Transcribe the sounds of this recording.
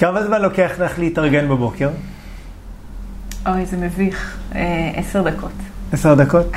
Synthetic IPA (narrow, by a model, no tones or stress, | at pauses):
kavazvalo̞keaχleχleitaʁɡenbebo̞ke̞ʁ | oʁejzemeviχeʔeseʁd̪akʰoteseʁd̪ako̞t